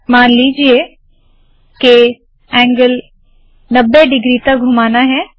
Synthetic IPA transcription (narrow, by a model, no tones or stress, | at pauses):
maːnliːd͡ʒie | ke | ɛ̃ːŋɡəl | nɐbːeɖɪɡɾit̪ɐk̚ɡʱʊmaːnaɦɛː